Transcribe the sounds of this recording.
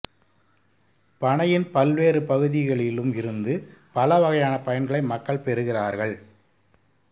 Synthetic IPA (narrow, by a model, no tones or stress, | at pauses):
pɐɳɐjɪnpɐlʋeːrɯpɐɣɯðɪɣɐɭɪlɯmɪɾɯnd̪ɯpɐlɐʋɐɣɐjaːnɐpɐjɐnɡɐɭɐɪmɐkːɐɭpɛɾɯɣɪraːɾɣɐɭ